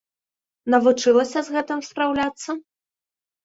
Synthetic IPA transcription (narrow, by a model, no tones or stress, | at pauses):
nɐvut͡ʂɨlˠɐsʲɐzɣɛt̪ɨmspɾawlʲat̪sːɐ